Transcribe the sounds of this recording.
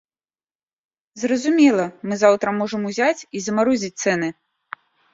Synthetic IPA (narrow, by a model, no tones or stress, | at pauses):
zrɐzumʲɛlˠɐmɨzawt̪ɾɐmɔʐɨmuzʲat͡sʲizɐmaɾɔzʲit͡sʲt̪sɛnɨ